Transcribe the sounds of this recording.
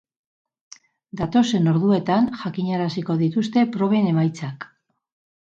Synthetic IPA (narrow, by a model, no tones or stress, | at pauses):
d̪at̪o̞se̞no̞ɾðue̞t̪anʝakiɲaɾasiko̞ðit̪ust̪e̞pɾo̞βe̞ne̞majt͡sak